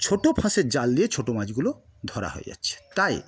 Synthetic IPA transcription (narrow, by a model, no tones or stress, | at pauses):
t͡ɕʰoʈopʰãseɾd͡ʑalːiet͡ɕʰoʈomad͡ʑɡulo | d̪ʱɔɾa̰ɦo̰jja̰t͡ɕʰe̥t̪aj